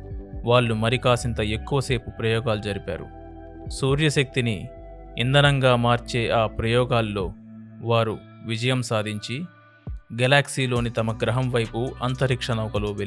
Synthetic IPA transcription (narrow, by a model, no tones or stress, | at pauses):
ʋaːɭːumɐɾikaːsint̪ɐe̞kːuʋɐse̞ːpupɾɐjɔːɡaːlud͡ʒɐɾipa̰ːɾṵ | suːɾjɐʃɐk̚t̪ini | ind̪ɐnɐŋɡaːmaːɾt͡ʃeːʔaːpɾɐjɔːɡaːlːo̞ː | ʋaːɾu | ʋid͡ʒɐjɐmsaːd̪ʱiɲt͡ʃi | ɡɐlaːksiːlo̞ːnit̪ɐmɐɡɾɐɦɐmʋɐjpuɐnt̪ɐɾikʂɐnɐʋɐkɐloːʋel